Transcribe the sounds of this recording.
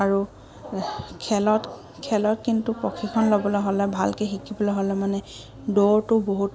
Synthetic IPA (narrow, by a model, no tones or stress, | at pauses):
aɹu | kʰɛlɔt | kʰɛlɔtkintupɔkʰikʰɔnlobɔlɔɦɔlɛbʱalkexikibɔlɔɦɔlɛmanɛ | doɹtʊboɦut